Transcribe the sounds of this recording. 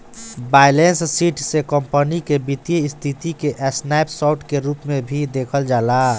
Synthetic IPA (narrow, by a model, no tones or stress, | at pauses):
baːɪlenssiːʈsekəmpənikebit̪jəɪst̪ʰit̪ikeʔɛsnajpsɔʊʈkeɾuːpmẽbʱid̪eːkʰəld͡ʒaːla